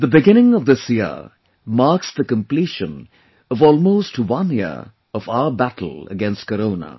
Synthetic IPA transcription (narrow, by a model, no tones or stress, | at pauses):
ðəbɪɡɪ̃ñɪ̃ŋʌvðɪsji | mɑɹksðəkə̃mpl̥iʃə̃n | ʌvɔlˠmoʊstwʌ̃njɪə̰ɹ | ʌvaʊə˞bætʰl̩ˠə̰ɡɛ̃nst̚kəɾõʊnə̰